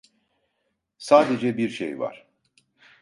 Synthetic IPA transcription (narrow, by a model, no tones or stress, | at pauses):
saːd̪e̞d͡ʒɛbiɾʃḛjva̰ɾ̥